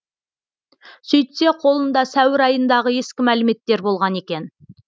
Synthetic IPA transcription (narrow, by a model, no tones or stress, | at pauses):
sɵjt̪se̞qʰo̞lˠənd̪ɑsæwɪɾɑjənd̪ɑʁəe̞skʲɪmælɪme̞t̪ːe̞ɾbo̞lˠʁɑne̞kʲe̞n